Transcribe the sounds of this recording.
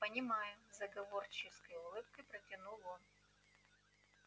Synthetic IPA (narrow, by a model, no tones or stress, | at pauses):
pənʲɪmajʊzɐɡɐvo̞rt͡ɕɪskəjʊlˠɨp̚kəjpɾətʲɪnulˠon